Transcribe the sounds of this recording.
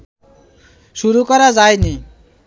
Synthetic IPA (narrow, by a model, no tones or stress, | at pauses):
suɾukɔɾad͡zajni